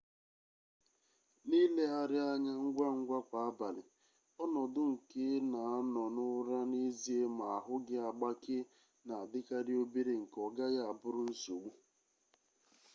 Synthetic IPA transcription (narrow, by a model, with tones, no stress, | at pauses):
ni˦le˦a˨ɾɪ˦a˦ɲa˦ŋ̩˦ɡʷa˦ŋ̩˦ɡʷa˦kʷa˨a˦ba˨lɪ˨ | ɔ˦nɔ˨dʊ˦ŋ̩˨ke˦na˨a˦nɔ˨nʊ˦ɾa˦ni˦zi˦e˦ma˨a˨ɦʊ˦ɡɪ˦a˨ɡ͡ba˦kɪ˦ | na˨a˨dɪ˦ka˦ɾɪ˦o˦bi˦ɾe˨ŋ̩˨kɔ˨ɡa˦ja˦a˨bʊ˦ɾʊ˦n̩˦so˨ɡʷu˦